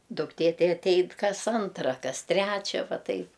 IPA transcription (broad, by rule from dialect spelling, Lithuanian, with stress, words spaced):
dʊkˈtʲeː ˈtɐɪ ɐtʲˈɛɪn ˈkɐs ˈɐntrɐ ˈkɐs ˈtʲrʲæːt͡ʃʲɛ ˈʋɐ ˈtɐɪp